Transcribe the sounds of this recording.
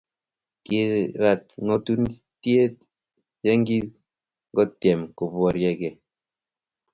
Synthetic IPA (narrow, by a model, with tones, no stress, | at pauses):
ki˨ɾa˨t̚ŋɔ˦tu˦n˦tje˦t̚ | jɛ˦ŋ˦ɡi˦t | ɡɔ˦tjɛ˨mkɔ˨bwɔ˨ɾjɛ˨ɡɛ˨